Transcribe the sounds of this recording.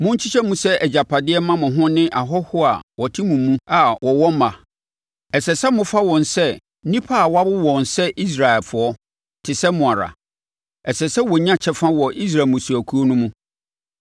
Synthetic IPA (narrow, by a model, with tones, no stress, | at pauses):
mʊ̃˦ɲ̩˦t͡ɕʰi˦t͡ɕʰɛ˦mũ˦sɛ˦ʔɛ˨d͡ʑa˨pʰa˨dɪ˦ɛ˦mã˦mʊ̃˨ɦʊ̃˦nɪ̃˦ʔa˨ɦɔ˦hʊ˦a̰˨wɔ˨tʰɪ˦mũ˨mũ˦a˨wɔ˨wɔ̃˦m̩ː˦a˨ | ɛ˨sɛ˨sɛ˦mʊ̃˦fa˦wɔ̃˨n˨sɛ˦ | nĩ˦pʰa˦a˨wɔ˦a˦bʊ˦wɔ̃˨nsɛ˦ʔi˦s̬ɾa˨ɛ˨lfʊ˨ɔ˦ | tʰɪ˨sɛ˦mʊ̃˨a˨ɾa̰˨ | ɛ˨sɛ˨sɛ˦wɔ˨ɲã˦t͡ɕʰɛ˦fã˦wɔ˨ʔi˦s̬ɾa˨mʊ̃˨su˨æ˨kʰu˦o˦nʊ̃˦mũ˦